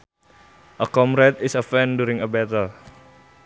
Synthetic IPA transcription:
ʔəkɔmɾɛt̪ɪsəfɛnduɾɪŋəbɛt̪əl

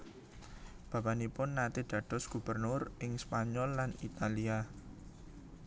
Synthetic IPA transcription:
b̥a̤banipʊnːat̪id̪̥ä̤d̪̥ɔ̤sɡ̥ṳb̥ərnʊrʔɪŋspaɲɔlːanit̪alia

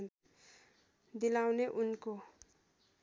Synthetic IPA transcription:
d̪ilawneʔunko

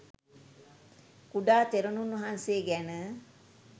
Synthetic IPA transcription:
kuɖaːt̪eɾonunʋɐɦanseːɡænə

